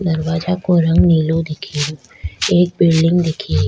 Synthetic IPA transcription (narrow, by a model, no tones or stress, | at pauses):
d̪ɐɾwaːd͡ʒakoɾɐ̃ŋɡniːlõd̪ɪkʰio | eːk̚bɪlɖɪ̃ŋɡd̪ɪkʰie